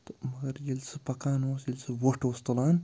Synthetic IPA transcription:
t̪mɐɡɐɾjelʲt͡sʰɨpɐkaːnoːsjilʲt͡sʰɨʋoʈoːst̪ɐlaːn

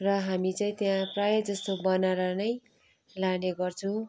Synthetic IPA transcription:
rʌɦamit͡saĩt̪jãprajʌd͡zʌst̪obʌnaɾʌnʌj | laneɡʌrt͡sʰʌ̃

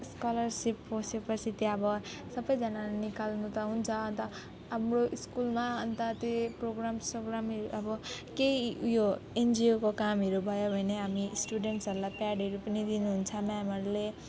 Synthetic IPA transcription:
skʌlʌrsipːosepʌt͡sʰit̪jʌbʌ | sʌbʌjd͡zʌnalnikalnut̪ʌɦunt͡sʰʌːnt̪ʌ | ɦamroʔiskulmaʌnt̪ʌt̪eproɡɾamsoɡɾamɦeɾuʔʌbʌkeijoend͡ziokokamɦeɾubʱʌjobʱʌneɦamisʈuɖeɳʈsʌɾulajpaɖɦʌɾupʌnid̪inuɦunt͡sʰʌmaɦamʌɾule

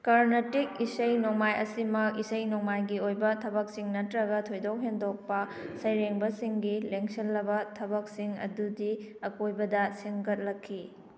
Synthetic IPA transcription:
kɐɾnetik̚isɐjnoŋmajɐsimɐkisɐjnoŋmajɡiojbɐtʰɐbɐk̚siŋnɐtɾɐɡɐtʰojdowɦendok̚pɐsɐjɾeŋbɐsiŋɡileŋsɐlːɐbɐtʰɐbɐk̚siŋɐ̰dudiɐkojbɐdɐseŋɡɐt̚lɐkʰːi

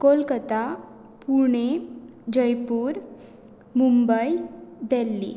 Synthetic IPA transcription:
kolkət̪a | puɳ̃ed͡ʑəjpuːɾ | mumbəjd̪ɛlːḭ

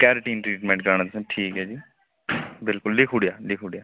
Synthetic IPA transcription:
kɛːɾʈiːnʈɾiːʈmɛ̃ːɳʈɡəɾɳasẽʈʰiːkɦɛːd͡ʒiː | bɪlkʊllɪkʰʊɽijaːlɪkʰɦuːɽijaː

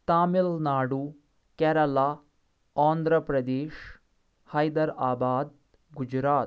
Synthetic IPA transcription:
t̪aːmilnaːɽuː | kɛːɾɐlaː | aːnd̪ɾəpɾɐd̪eːʃ | hɐjd̪ɐɾaːbaːd̪̚ | ɡud͡ʒɾaːt̪

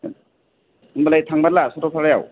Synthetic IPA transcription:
nbalajtʰaŋbalasɔtɔtʰaɾaja̰w

